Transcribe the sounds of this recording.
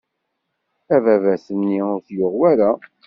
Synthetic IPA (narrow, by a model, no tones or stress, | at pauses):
ævævæsənːiʊɾθjʊʁwæɾa